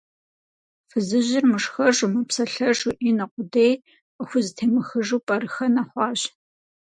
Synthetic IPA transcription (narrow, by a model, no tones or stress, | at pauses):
fɨzɨʑɪrmɨʂxɐʂumɐpsɐɬɐʂuʔinɐqʷʼʊdej | qəxʷʊzɨtʰeːmɨxɨʐuːpʼɐɾɨxɐnaχʷɑːʑ